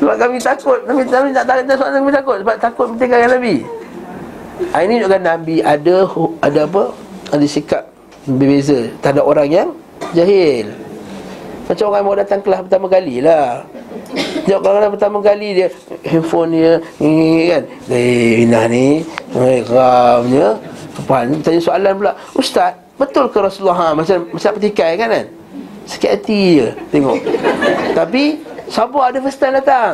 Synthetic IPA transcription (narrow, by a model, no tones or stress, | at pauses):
səbap̚kamit̪akʊt̪̚kamiaminaʔt̪alint̪asaalaŋkamit̪akʊt̪̚səbap̚t̪akʊt̪̚mət̪iŋkakanabi | ʔainidoʔkanːabiadahadaap̬əadəsikap̚ | bəbezət̪andaʔoɾaŋjaŋ | d͡ʒaɦɪl | mat͡ʃamoɾaŋmadat̪aŋkəlahpərt̪amakalilah | d͡ʒaʔkakanap̬ərt̪amakalidiəhimfoniə | kan | daiwinahniakəɾamɲəkəpaɦalɲət̪aɲasoalanpəlaʔ | ust̪at̪̚bət̪ʊlkəɾasulaɦamːat͡ʃamasaʔpət̪ikajkana̰n | sə̥kiʔat̪ijət̪eŋɔ̰ʔt̪ap̬isabaadəfəst̪andat̪aŋ